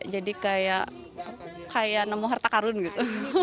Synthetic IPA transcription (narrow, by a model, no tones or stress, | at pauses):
d͡ʒadikajaʔ | kajaʔnəmuɦart̪akaɾʊnɡit̪u